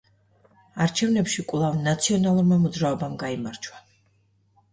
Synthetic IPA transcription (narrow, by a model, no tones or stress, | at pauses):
aɾt͡ʃʰɛvnɛpʃikʼwlˠavnat̪sʰiɔnalˠuɾmamɔd̪zɾaɔbamɡaimaɾt͡ʃʰwa